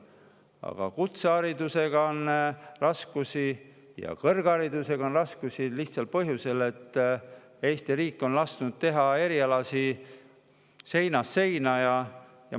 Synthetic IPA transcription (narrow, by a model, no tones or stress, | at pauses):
ɑ̰ɡ̥ɑ̰kut̪seɑɾid̪use̞ɡ̥ɑonrɑskusi | jɑ̰kɤrɡ̥ɑɾid̪̥use̞ɡ̥ɑonrɑskusiliht̪sɑlpɤɦjuse̞le̞t̪ː | ejst̪iɾiːkːˑo̞nlɑst̪nud̪̥̚t̪e̞ɦɑe̞ɾiɑlɑsi | se̞jnɑsːe̞jnɑjɑ | jɑ̰